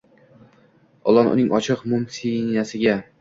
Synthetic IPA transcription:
ɒ̰lˠɒnʊ̰nɪŋʔɒt͡ʃʰɨqmʊmsinasɪɡʲa

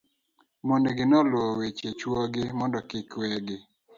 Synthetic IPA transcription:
moneɡɪnɔlwɔwet͡ʃet͡ʃwɔɡɪmɔndɔkɪkwɛɡɪ

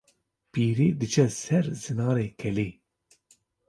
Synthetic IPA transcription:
piːɾiːd̪ɨt͡ʃɛsɛɾzɨnɑːɾeːkʰɛliː

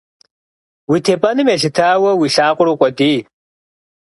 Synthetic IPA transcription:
witʰeːpʼɐnɨmeɬɨtʰaːwɐwiɬaːqʷʼʊɾokʷʼɐdiː

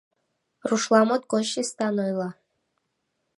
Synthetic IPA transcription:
ruʃlˠɑmot̪̚koʃist̪ɑnojlˠɑ

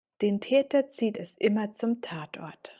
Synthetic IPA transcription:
d̥eːntʰɛːtɐt͡siːtɛsʔɪmɐt͡sʊmtʰaːtʔɔ̰ɐt

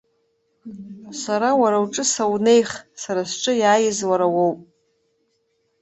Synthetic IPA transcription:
saɾawaɾawʈ͡ʂʼɨsawne̞jχsaɾasʈ͡ʂʼɨjaːjɪzwaɾawowpʼ

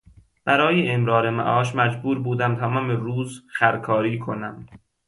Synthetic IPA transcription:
b̥æɾɒːjeʔːmɾɒːɾemæ̰ʔɒːʃmæd͡ʒbuːɾbuːd̪æmt̪ʰæːmɒːmeɾuːzxæɾkʰɒːɾiːkʰonæm

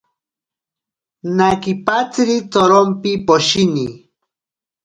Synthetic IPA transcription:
nakipat͡sɾit͡soɾompipoʃini

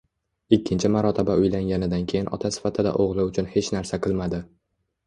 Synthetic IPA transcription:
ɪkʲʰːɪnt͡ʃʰɪmaɾɒt̪ʰabaʊjlaŋɡʲanɪd̪ankʲʰejɪnʔɒ̰t̪ʰasɪ̥fat̪ʰɪd̪a̰ʔoʁlˠɪʊt͡ʃʰʊnhe̞t͡ʃnaɾsaqʰɨlˠmad̪ɪ

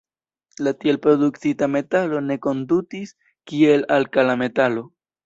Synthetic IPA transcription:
latielpɾo̞duktitame̞talo̞ne̞ko̞ndutis | kie̞lalkalame̞talo̞

